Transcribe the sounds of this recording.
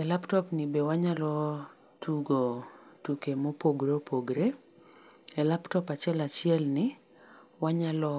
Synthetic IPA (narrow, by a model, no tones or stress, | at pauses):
ɛlaptɔpnɪbewaɲalɔ | tʰuɡotukemopoɡɾepʰoɡɾe | ɛlaptɔpat͡ʃjɛlat͡ʃɪɛlnɪ | waɲalɔ